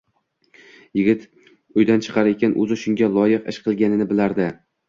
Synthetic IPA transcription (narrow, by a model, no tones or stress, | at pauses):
jɪɡʲɪt̪ | ʊjd̪ant͡ʃʰɨ̥qʰɑɾekʲʰanʔɵ̰zɪʃʊŋɡʲalˠɒjɪqɪ̰ʃqʰɨlˠɡʲanɪnɪbɪlaɾd̪ɪ